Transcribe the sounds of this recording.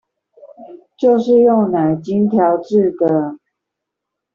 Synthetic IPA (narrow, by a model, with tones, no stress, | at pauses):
t͡ɕjo˥˨˧ʊʂɻ̩˥˧jo˥˨ŋna˨˩ɪt͡ɕi˦nt̪ʰjɑ˨˦˥ʊʈ͡ʂɻ̩˥˨d̪ə˨